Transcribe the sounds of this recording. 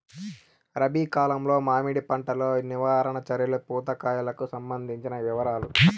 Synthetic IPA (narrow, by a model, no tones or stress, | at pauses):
ɾɐbiːkaːlɐmlo̞ːmaːmiɽipɐɳʈɐlo̞ːniʋaːɾɐɳɐt͡ʃɐɾjɐlupuːt̪ɐkaːjɐlɐkusɐmbɐnd̪ʱiɲt͡ʃinɐʋiʋɐɾaːlu